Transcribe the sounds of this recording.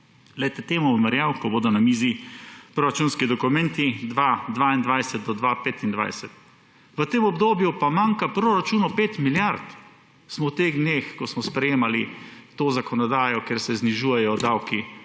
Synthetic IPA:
lɛjt̪ɛt̪eːmumɛɾjawkɔboːd̪ɔnamiːzipɾoɾat͡ʃuːnskid̪ɔkumɛ̃nt̪id̪ʋad̪ʋaind̪ʋajsɛt̪̚d̪ɔd̪ʋapeːt̪ind̪ʋa̰jsɛt̪ | ʋət̪eːmɔbd̪oːbjupamaŋkapɾoɾat͡ʃuːnɔpeːt̪miljaɾt̪ | smɔwt̪eɣd̪neːxkɔsmɔspɾɛjeːmalit̪oːzakɔnɔd̪aːjɔkeːɾsɛzniʒuːjɛjɔd̪awki

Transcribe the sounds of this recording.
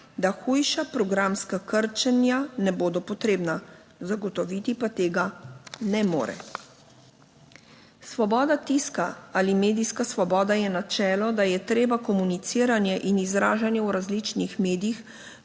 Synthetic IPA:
d̪axujʃapɾɔɡɾamskakəɾt͡ʃɛnjanɛboːd̪ɔpɔt̪ɾeːbna | zaɡɔt̪ɔʋit̪ipat̪eːɡanɛmo̰ːɾɛ̰ | sʋɔbɔːd̪at̪iskaalimeːd̪iskasʋɔbɔːd̪ajɛnat͡ʃɛːlɔd̪ajɛt̪ɾeːbakɔmunit̪siːɾanjɛʔinizɾaːʒanjɛwɾazlit͡ʃnixmeːd̪ijix

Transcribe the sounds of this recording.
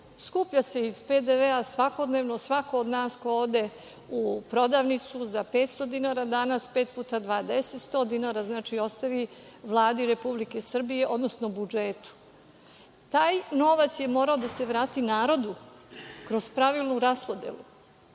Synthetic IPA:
skupʎase̞iz̥pe̞d̪eʋeasʋako̞d̪neʋnosʋako̞od̪naːskoood̪e̞ | upɾo̞d̪aʋnit̪suzapeːt̪st̪o̞d̪inaːɾad̪anaspe̞ːt̪̚puːt̪ad̪ʋaːd̪eset̪st̪o̞d̪inaɾaznaːt͡ʃio̞st̪aʋiʋlˠaːd̪iɾe̞publike̞sr̩bije̞ʔod̪no̞snobud͡ʒet̪u̥ | t̪aːjno̞ʋat̪sje̞mo̞ːɾaod̪ase̞ʋɾaːt̪inaːɾo̞d̪u | kɾo̞z̥pɾaʋilˠnuɾaspo̞d̪ḛlu

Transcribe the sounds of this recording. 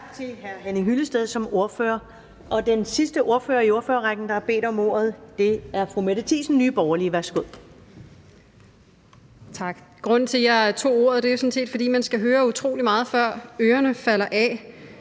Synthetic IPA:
ɡ̥t͡sʰe̝lɦæɐɦenəɦyləsd̥eð̞ˠsɒ̽mo̝ɐføːɐ | ɒ̽d̥ensisd̥əʔo̝ɐføːɐio̝ɐføːɐʁaɡ̥n̩d̥ɑhɑb̥e̝̰ːd̥ɒ̽mo̝ːɐ̰ð̞̩ˠd̥e̝æɐfʁumeɾ̥ət͡sʰḭsn̩nyːb̥ɒʊɐliʋæɐsɡ̥oð̰ˠ | t͡sʰɑ̈ɡ̥ɡ̥ʁɔ̽n̰n̩t͡sʰe̝jɑt͡sʰo̝̰ːo̝̰ːɐ̰ð̞̩ˠd̥e̝josɔ̽n̩se̝̰ːd̥fɒ̽d̥ḭːmænsɡ̥æɦøːɐut͡sʰʁo̝̰ːlimɑ̈ːð̞̩ˠfɶɐ̰øːɐnəfæl̰ɐʔɛ

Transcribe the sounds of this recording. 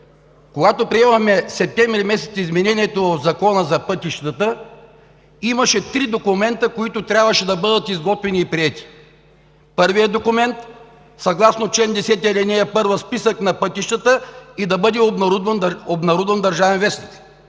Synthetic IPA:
koɡat̪opɾiɛmɐxmɛsɛp̚t̪ɛmvɾimɛsɛ̥t̪sizmɛnɛniɛt̪ovofzɐkɔnəzɐpɤt̪iʃt̪ət̪ə | imɐʃɛt̪ɾid̪okumɛnt̪əkoit̪ʊt̪ɾʲjabvɐʃɛd̪ɐbɤd̪ət̪izɡɔt̪vɛniːpɾiɛt̪i̥ | pɤɾvijəd̪okʊmɛnt̪ | sɐɡlˠasnot͡ʃlɛnd̪ɛsɛt̪iəlɛnɛjɐpɤɾvəspisəknɐpɤt̪iʃt̪ət̪əid̪ɐbɤd̪ɛobɾud̪vənobnɐɾud̪vɐnd̪ɐɾʒavɛnvɛsnʲik

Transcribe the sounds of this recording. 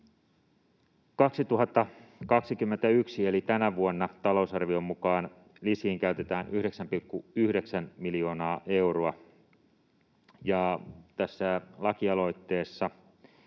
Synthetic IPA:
kɑksit̪uɦɑt̪ːɑkɑksikymːent̪æyksielit̪ænæʋuonːɑt̪ɑlo̞usɑrʋio̞mːukɑːn | lisiːŋkæyt̪e̞t̪æːnʔyhɾe̞ksæmpilkːuyhdeksænmiljo̞ːnɑːʔe̞wroɑ | jɑt̪æsːælɑkiɑlo̞jt̪ːe̞ːsːɑ

